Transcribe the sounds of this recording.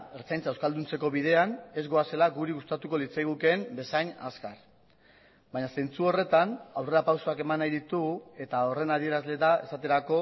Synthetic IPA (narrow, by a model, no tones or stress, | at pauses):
eɾt͡sajnt͡saewskald̪unt͡se̞ko̞βið̞e̞ane̞zɣo̞ase̞laɡuɾiɣust̪at̪uko̞lit͡sajɣ̞uke̞mbe̞sajɲa̰skar | baɲase̞nt͡suo̞re̞t̪anawre̞ɾapawso̞ake̞manajðit̪uɣue̞t̪ao̞re̞naðie̞ɾazle̞ðae̞sat̪e̞ɾako̞